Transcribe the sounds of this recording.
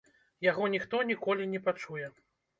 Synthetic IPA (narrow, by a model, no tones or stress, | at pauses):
jaɣɔnʲixt̪ɔnʲikɔlʲinʲɛpat͡ʂujɛ